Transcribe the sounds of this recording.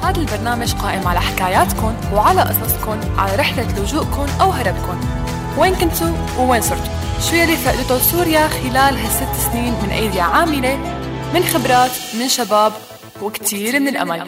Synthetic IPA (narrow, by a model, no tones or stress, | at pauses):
haːd̪albɑɾˤnaːmaʒqaːʔɪmʕalaħɪkaːjaːt̪kʊnwʕalaʔɑ̰sˤɑsˤkʊnʕa̰laɾɪħlalʊʒuːʔkʊnʔawɦɑɾˤɑbkʊn | weːnkɪnt̪ʊ | wweːnsˤʊɾt̪u̥ | ʃwɪjːalːiːsaːʔɪlɪt̪ʊsuːɾjaxɪlaːlɦasːɪt̪ːsniːnmɪnʔa̰jd̪ɪjaʕaːmɪlemɪnxɪbɾˤɑːt̪mɪnʃabaːb | wɪkt̪ʰiːɾmɪnɪlʔa̰mal